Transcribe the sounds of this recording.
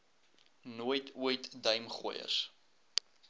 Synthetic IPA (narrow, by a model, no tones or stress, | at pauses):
nuəjtʰuəjtdəɥmχṵəjə̰s